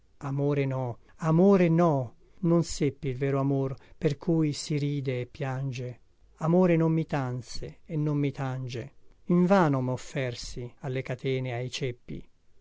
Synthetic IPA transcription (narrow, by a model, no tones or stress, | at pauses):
amoːɾenɔ | amoːɾenɔ | nonsepːilvɛːɾoamorperkʰujsiɾiːd̪eːpːjand͡ʒe | amoːɾenomːit̪ant̪seɛnːomːit̪and͡ʒeiɱvaːnomofːɛrsialːekat̪ʰɛːneajt͡ʃepːḭ